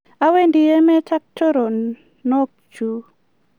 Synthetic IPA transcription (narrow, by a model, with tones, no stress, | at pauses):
a˦we˦ndɪ˨e˦mɛ˦tʰa˦k̚to˦ɾo˨ | nɔ˦k̚ | t͡ʃu˨